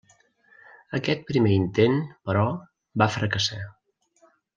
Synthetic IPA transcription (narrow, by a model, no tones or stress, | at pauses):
əkɛt̪̚pɾimeint̪enpəɾɔ | bafɾəkəsa